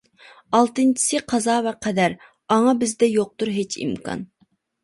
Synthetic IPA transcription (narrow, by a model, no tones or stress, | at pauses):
ɑlˠt̪ɨnt͡ʃʰi̥sɨqʰɑzɑːvɛqʰɛd̪æɾ | ɑŋɑbɪzd̪ɛjoq̚t̪uɾɦet͡ʃʰḭmkʰɑ̰n